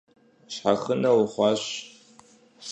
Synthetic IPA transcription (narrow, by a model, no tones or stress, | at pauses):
ɕħaχənɐwχʷɑːɕ